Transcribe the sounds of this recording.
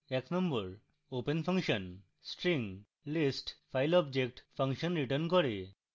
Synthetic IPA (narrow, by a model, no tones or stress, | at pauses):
ɛknəmbəɾ | openpʰə̃ŋkʃən | sʈɾiŋɡ | lisʈpʰajlɔbd͡ʑek̚ʈpʰəŋʃɔnɾiʈəɾnkɔɾe